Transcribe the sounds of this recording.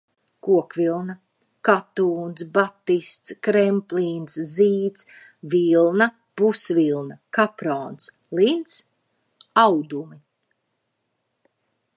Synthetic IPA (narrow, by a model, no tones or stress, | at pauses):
kuɔkvilˠna | kat̪uːnsbat̪ːist̪skɾɛmpliːnsziːt̪s | vilˠna | pusvilˠnakapɾɔːns | lint̪s | awd̪umi